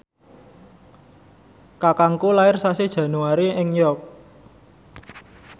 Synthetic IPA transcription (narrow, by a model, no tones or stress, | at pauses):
kakaŋkulaɪrsased̥ʒ̥ä̤nuaɾiɪŋjɔk̚